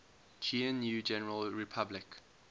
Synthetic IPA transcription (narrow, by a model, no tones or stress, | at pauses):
t͡ʃʰĩə̃nːjuːd͡ʒɛnəɹəlɹɪpʰablɪk